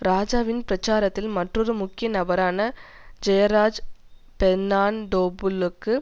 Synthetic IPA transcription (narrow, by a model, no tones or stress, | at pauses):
ɾaːd͡ʒaːʋɪnpɾɐt͡ʃːaːɾɐt̪ːɪlmɐʈrɔɾɯmʊkːɪjɐnɐbɐɾaːnɐ | d͡ʒɐjɐɾaːd͡ʒ | pɛnːaːnɖoːbɯlɯkːɯ